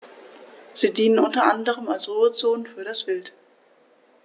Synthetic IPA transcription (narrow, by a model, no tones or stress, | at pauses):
z̥iːdiːnənʔʊntɐʔandəʁ̞əmalsʁuːət͡soːnəfyːɐɾasv̥ɪlt